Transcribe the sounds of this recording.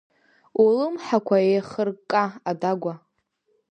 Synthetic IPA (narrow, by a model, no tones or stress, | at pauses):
ulɨmħakʷʰaejχərkʼaadaɡʷa